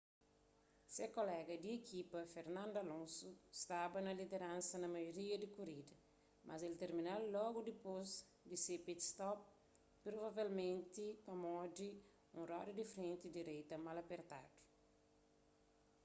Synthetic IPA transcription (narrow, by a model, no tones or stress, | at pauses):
sekolɛɡɐd̪iekʰipɐfeɾnãnd̪ʊɐlõnsust̪abɐnɐlid̪eɾãnsɐnɐmajoɾiɐd̪ikoɾid̪ɐ | mʔɐzelt̪eɾminalɔɡud̪ipoz | d̪isepit̪st̪ɔp̚ | pɾovavelmẽnt̪ipɐmɔdi | ũrɔdid̪ifɾẽnt̪id̪iɾejt̪ɐmalɐpeɾt̪ad̪̥u̥